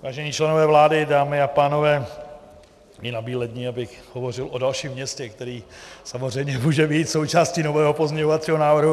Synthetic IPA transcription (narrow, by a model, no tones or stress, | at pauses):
vaːʒɛɲiːt͡ʃlɛno̞vɛːvlaːdɪdaːmɪapaːno̞vɛː | ɪnabiːlɛd̪ɲiːabɪxɦhovo̞r̝ɪlo̞dalʃiːmːɲɛscɛkt̪ɛɾiːsamor̝ɛjmɲɛmuːʒɛbiːt̪so̞wt͡ʃaːsciːno̞vɛːɦopo̞zɲɛɲoat͡siːɦo̞naːvr̩ɦu